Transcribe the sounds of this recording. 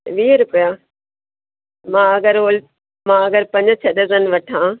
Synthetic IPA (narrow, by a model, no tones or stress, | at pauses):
ʋiːɾʊpəja | mãɐɡəɾoːl | mãɐɡəɾpɐ̃ɲd͡ʑt͡ɕʰɐɗəzənʋɐʈʰãː